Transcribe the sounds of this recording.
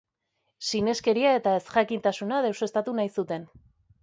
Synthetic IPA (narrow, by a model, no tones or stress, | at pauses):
sine̞ske̞ɾiae̞t̪ae̞sxakint̪asunaðewsest̪at̪unajsut̪e̞n